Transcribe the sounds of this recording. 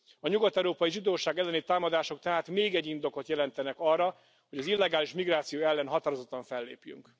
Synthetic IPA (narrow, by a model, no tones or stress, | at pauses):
ɒɲuɡɒt̪ɛɾoːpɒjiʒid̪oːʃaːɡɛlːɛnit̪aːmɒd̪aːʃo̞k̚t̪ɛɦaːt̪meːɡɛɟːind̪o̞ko̞t̪jɛlɛnt̪ɛnɛkɒrːɒ | ho̞ɟɒzilːɛɡaːliʃmiɡraːt̪sijoːɛlːɛnɦɒt̪aːɾozot̪ːɒɱfɛlːḛːpjy̰ŋk